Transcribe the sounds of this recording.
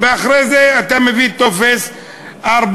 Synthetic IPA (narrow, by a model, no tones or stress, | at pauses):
veaχɾezeat̪amevit̪o̞fes | aɾb